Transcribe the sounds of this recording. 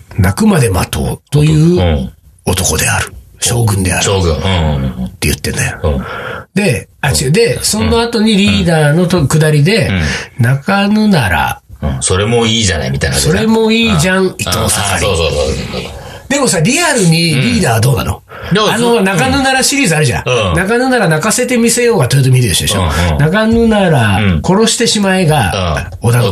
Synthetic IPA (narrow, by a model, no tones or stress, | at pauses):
nakɯ̟mad̪e̞mat̪o̞̰ːt̪o̞jɯ̟ː | o̞t̪o̞ko̞d̪e̞̰a̰ɾɯ̟ɕo̞ːɡɯ̟̃nd̪e̞a̰ɾɯoːɡɯ̃ | t̪ːe̞̰jɯ̟̰t̪ːe̞nːo̰jo | d̪e̞at͡ɕid̪e̞sõ̞nːo̞at̪o̞ɲ̟iɾʲiːd̪aːno̞t̪okɯ̟d̪aɾʲid̪e̞nakanɯnaɾa̰soɾe̞mo̞iːd͡ʑa̰na̰imʲit̪anaso̞ɾe̞mo̞iːd͡ʑãŋit̪ːosaka̰ɾi | d̪e̞mo̞saɾʲiaɾɯ̟ɲ̟iɾʲiːd̪aːd̪o̞ːna̰no̰ | anonakanɯnaɾaɕiɾʲiːzɨaɾɯ̟ʑã̰nakanɯnaɾanakase̞t̪e̞mʲise̞jo̞ːɡat̪ojet̪̬omʲiɾɯd̪e̞ɕod̪eɕo̰nakanɯnaɾako̞ɾo̞ɕi̥t̪e̞ɕimaeɡa | o̞d̪a